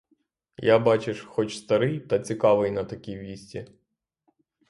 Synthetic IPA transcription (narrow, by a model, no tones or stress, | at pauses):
jabɑt͡ʃɪʃxɔt͡ʃst̪ɐɾɪjt̪ɐt͡sʲikɑʋɪjnɐt̪ɐkʲiʋʲisʲtʲi